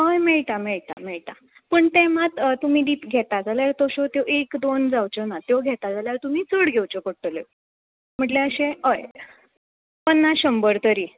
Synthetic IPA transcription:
ɦəjmeɭt̪ameɭt̪a̰meɭt̪a | pəɳt̪em̤at̪ət̪umiːd̪iːt̪ɡʱet̪ad͡zaljaɾt̪oɕot̪joʔekd̪ond͡zawt͡ɕənat̪joɡʱɛt̪ad͡zaljaɾt̪um̤iːt͡səɽɡʱewt͡ɕokəɽʈːəle | m̤əɳʈleəɕẽəj | pənːaɕəmbəɾt̪əɾiː

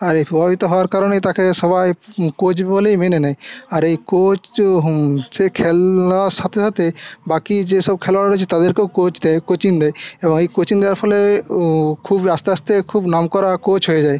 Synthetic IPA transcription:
aɾepɔbabit̪ɔɦɔaɾkaɾɔñet̪akʰesɔbajkot͡ʃbbɔlemenenaiaɾejkot͡ʃ | sekʰelasat̪ʰesat̪ʰebakid͡ʒesɔb̚kʰelalɾɔt͡ʃʰit̪ad̪eɾkekot͡ʃd̪ɛkot͡ʃind̪ɛjebɔŋekot͡ʃind̪eaɾpʰɔle | kʰubast̪east̪ekʰuːbnamkɔɾakot͡ʃɦoed͡ʒae

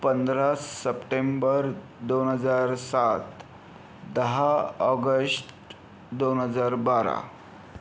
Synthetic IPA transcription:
pənd̪ɾasːəpʈembəɾ | d̪onɦəd͡zaɾsat̪ | d̪əɦaɔɡəsʈ | d̪onɦəd͡zaɾbaɾa̰

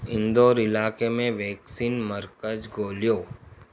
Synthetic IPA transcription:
ɪ̃nd̪oːɾɪlaːkemẽʋɛːksiːnməɾkəd͡ʒɡoːljoː

